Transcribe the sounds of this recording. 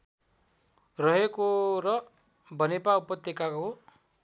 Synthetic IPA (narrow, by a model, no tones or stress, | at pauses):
ɾʌɦekoɾɔ | bʌnepaupɔt̪jekako